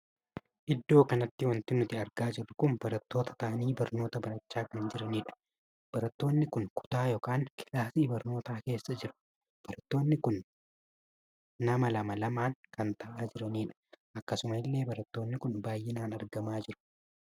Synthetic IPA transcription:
ʔɪd̪ːo̞ːkɐnɐt̪ːɪwɐnt̪ɪnʊt̪ɪɐɾɡaːd͡ʒɪrːʊkʊnbɐɾɐt̪ːo̞ːt̪ɐ̥t̪ɐʔɐniːbɐɾno̞ːt̪ɐbɐɾɐt͡ʃːaːkɐnd͡ʒɪɾɐniːᶑʊ̥ | b̥ɐɾɐt̪ːo̞ːnːɪkʊŋkʰʊ̥t̪aːjoːkaːŋkɪlaːsiːbɐɾno̞ːt̪aːke̞ːsːɐd͡ʒɪɾʊ̥ | b̥ɐɾɐt̪ːo̞ːnːɪkʊn | ɐmɐlɐmɐlɐmaːŋkɐnt̪ɐʔaːd͡ʒɪɾɐniːᶑɐ̥ʔɐkːɐsʊmɐɪlːe̞ːbɐɾɐt̪ːo̞ːnːɪkʊnbaːjːɪnaːnɐɾɡɐmaːd͡ʒɪɾʊ̥

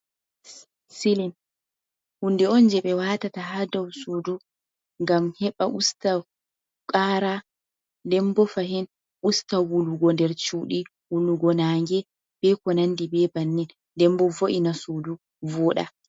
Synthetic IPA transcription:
silin | hundɛɔnd͡ʒɛɓɛwaːtatahadɔwsudu | ŋɡamhɛɓaʔusta | kʼaɾa | dɛmbɔfaɦin | ʔustawuluɡɔndɛɾt͡ʃuːɗi | wuluɡɔnaŋɡɛ | b̥ɛkɔnandibɛbanːin | dɛmbɔvoʔinasudu | vɔɗa̰

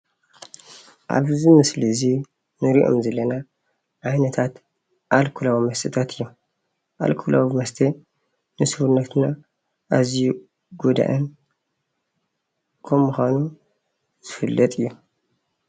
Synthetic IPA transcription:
ʔa̰βzɨmɨslizi | nɨɾiʔo̞̰mzɐlːɐna | ʔajnɐt̪ʰat̪ | ʔalkʰulawmɐst̪ɨt̪ʰat̪ʰɨjːu | ʔa̰lkʰula̰wmɐst̪ʰe | nɨsɨhuɾnɐt̪na | ʔaziju | ɡud̪a̰ʔɐn | kʰɐmːuxʷanu | z̥ɨfɨlːɐt̪ʼɨjːu

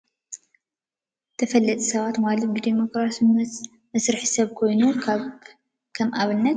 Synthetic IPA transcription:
t̪ʰɐfɐlːɐt̪ʼi̥sɐβat̪malɐt̪̚bɨd̪emo̞kɾasm | mɐsɾɨħi̥sɐβkʰo̞jnu | kʰɐmʔaβɨnːɐt̪

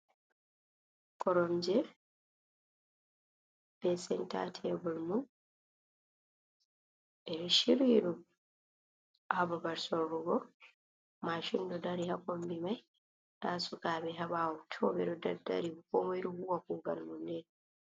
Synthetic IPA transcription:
kɔɾɔmd͡ʒɛ | b̥ɛsɛnta̰tʰɛbɔlmun | ʔɛɾɔʃiɾiɗu | ababaɾsɔːuɡɔ | maʃundɔdaɾihakɔmbimaj | ɗasukaːbɛɦabaːwɔtʰɔbɛɗɔdaɾda̰ɾiukɔmɔiɾuhuwakuɡa̰lmundɛn

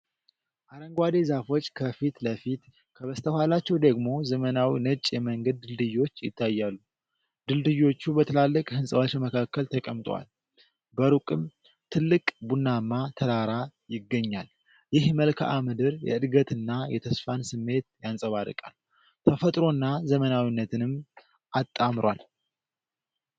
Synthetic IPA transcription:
ʔaɾəŋɡwad̪e̞zafo̞t͡ʃːkʰəfit̪ləfit̪ | kʰəβəst̪ʰəhalat͡ʃːɛwd̪əɡmo̞zəmənawinət͡ʃʼjɛməŋɡəd̪̚ːɨld̪ɨjwo̞t͡ʃːjɪ̰t̪ʰːajːalːu | d̪ɨld̪ɨjo̞t͡ʃːubət̪ʰɨlalːəkʼhɨnsʼəβat͡ʃməkʰakːəlt̪ʰəkʼəmt̪ʼwa̰l | bəɾukʼɨm | t̪ʰɨlːɨkʼbunːamːat̪ʰəɾaɾajɪɡːəɲːal | jɪhməlkʰa̰ʔamɨd̪ɨɾjɛ̰ɨd̪ɡət̪ɨnːajɛt̪ʰəsfansɨmːe̞t̪jansʼəβaɾɨ̰kʼa̰lː | t̪ʰəfət̪ʼɾo̞nːazəmənawinːət̪ʰɨnɨm | ʔat̪ʼːamɾwa̰l

